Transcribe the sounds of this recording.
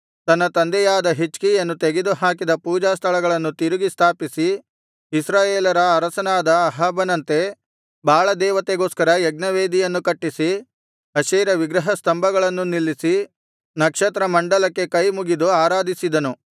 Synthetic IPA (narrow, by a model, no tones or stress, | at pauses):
t̪ɐnːɐt̪ɐnd̪ɛjaːd̪ɐɦit͡ʃkijɐnːut̪eɡed̪uɦaːkid̪ɐpuːd͡ʒaːst̪ʰɐɭɐɡɐɭɐnːut̪iɾuɡist̪ʰaːpisi | isɾaːjeːlɐɾɐːɾɐsɐnaːd̪ɐːɦaːbɐnɐnt̪e̞ | bʱaːɭɐd̪ɛːʋɐt̪eɡo̞ːskɐɾɐjɛɡ̚nɐʋeːd̪ijɐnːukɐʈːisi | ɐʃɛːɾɐʋiɡɾɐɦɐst̪ɐmbʱɐɡɐɭɐnːunilːisi | nɐkʂɐt̪ɾɐmɐɳɖɐlɐkːe̞kɐjmuɡid̪uaːɾaːd̪isid̪ɐnu